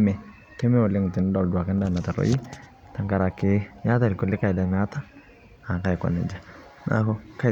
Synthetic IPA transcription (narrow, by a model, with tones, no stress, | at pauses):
mɛ˨ | kɪ˦me˦ɔ˨lɪ˦ŋ˨tɪ˨n˦dɔ˨ldwa˨kɛ˦n˦da˦˨na˨ta˨ɾo̰˨˦ji˦ | ta˨ŋka˨ɾa˨kɪ˦ɲa˦ta˦lɪ˨ku˨lɪ˦ka˦ɪ˨da˨ma˦ta˦ | a˨ŋka˦jkɔ̰˨nɛ˨d͡ʒa˨ | nʔa̰˦kɔ˦ka˦